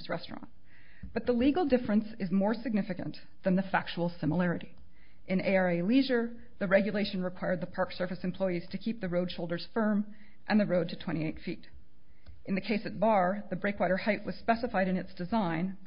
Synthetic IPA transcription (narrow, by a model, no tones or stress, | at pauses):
zɹɛ̰stɹ̥ɑ̰̃n | b̥ʌt̪̚ðəliɡl̩ˠdɪfɹɨ̃nsɨzmɔɹsɨɡ̚nɪfɨkɨ̰̃n | ðɨ̃nðɨfæk̚t͡ʃul̩ˠsɪ̃məlɛɹɨɾi | ʔɨ̃neɪɑɹeɪliʒə˞ | ðɨɹɛɡjɨleɪʃɨ̃nɹɨkʰw̥aɪə˞d̪̚ðəpʰɑɹksɜ˞fɨsɨ̃m̩pʰl̥ɔɪiz̥tʰɨkʰip̚ðɨɹoʊd̥ʃoʊlˠdə˞z̥fɜ̃˞m | ʔɨ̃nðɨɹoʊd̚tʰɨtʰw̥ɛ̃ɾ̃ieɪtfiɾ | ʔɨ̃nðɨkʰeɪsɨt̚b̥ɑɹðɨbɹeɪkwaɪɾə˞haɪʔwʌz̥spɛsɨfaɪɾɨ̃nɨtsd̥ɨzãɪ̃n